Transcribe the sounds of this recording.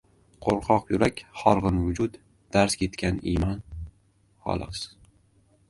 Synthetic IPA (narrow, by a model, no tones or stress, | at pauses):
qʰoɾqʰɒqjʊɾakʲχɒɾʁɨnvʊd͡ʒʊd̪ | d̪̥aɾskʲʰe̞t̪kʲanḭmɒn | χɒ̰lˠɒ̰s